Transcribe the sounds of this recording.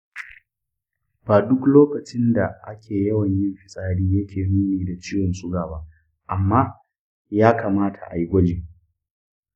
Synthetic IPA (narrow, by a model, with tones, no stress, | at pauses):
b̥aː˨dʊ˦kloː˦kɐ˨t͡ʃɪ˦nda˨ʔa˦kʲʰeː˨jɐ˦wɐ˨ɲjɪ˦mɸɪ˨sʼaː˦ɽiː˦jɐ˦kʲʰeː˨muː˦niː˨da˨t͡ʃiː˦wɔ˨nsʼʊ˦ɡaː˨ba˦ʔ | ʔa˨mːaː˦ | jaː˦kaː˨maː˦tʰa̰˨ʔa̰˨ji˦ɡʷɐ˦d͡ʒeː˨